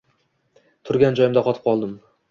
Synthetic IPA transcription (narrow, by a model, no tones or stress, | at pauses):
t̪ʰʊɾɡʲand͡ʒɒjɪmd̪aqʰɒt̪ʰɪ̥p̚qʰɒlˠd̪ɪm